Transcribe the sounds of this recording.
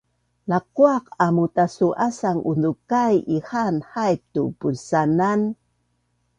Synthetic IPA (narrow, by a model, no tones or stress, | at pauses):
laquaqamutasuʔasaŋʔundukajihanhajp̚tupunsanan